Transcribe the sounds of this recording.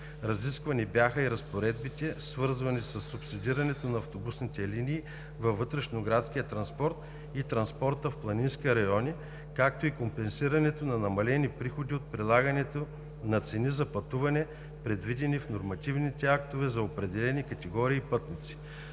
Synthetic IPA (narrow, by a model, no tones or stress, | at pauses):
ɾɐziskvɐnibjaxəiɾɐspoɾɛd̪̚bit̪ɛsvɤɾzvɐnisɐsːupsid̪iɾɐnɛt̪onɐːft̪obusnit̪ɛlinʲiː | vɐvːɤt̪ɾɛʃnoɡɾat̪sk̟iət̪ɾɐnspɔɾt̪ | it̪ɾɐnspɔɾt̪əfplˠɐninskiəɾɐjɔni | kak̚t̪oikompɛnsiɾɐnɛt̪onɐnɐmɐlɛnipɾixod̪iot̪̚pɾilˠaɡɐnɛt̪o | nɐt̪sɛnizɐpɐt̪uvɐnɛ | pɾɛd̪vid̪ɛnifnoɾmɐt̪ivnit̪ɛak̚t̪ovɛzɐopɾɛd̪ɛlɛnikɐt̪ɛɡɔɾiːpɤt̪nʲit̪si̥